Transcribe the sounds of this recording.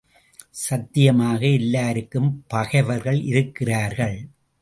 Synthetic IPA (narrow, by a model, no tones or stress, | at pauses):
sɐt̪ːɪjɐmaːɣɐɪlːaːɾɯkːɯmpɐɣɐɪʋɐɾɣɐɭʔɪɾɯkːɪraːɾɣɐɭ